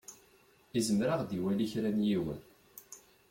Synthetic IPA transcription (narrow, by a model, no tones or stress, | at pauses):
izəmɾaʁd̪iwæliçɾænjiwə̰n